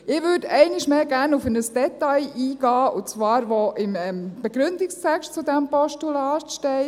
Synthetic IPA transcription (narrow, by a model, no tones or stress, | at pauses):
ɪʋʏdɛɪnɪʃmeːɡæːɾnufənəsd̥ɛtɑɪʔiːɡ̥ɑːʊt͡sʋɑːɾʋoʔɪmɛmb̥eɡ̥ɾʏndɪkstʰɛkʃtt͡sudɛmpɔʃtulɑːtʃtɛɪ